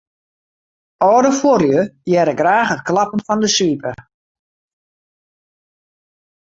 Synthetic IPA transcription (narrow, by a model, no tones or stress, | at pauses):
ɔːdəforjəjɛɾəɡraːxət̚klɑpənfɔndəsʋipə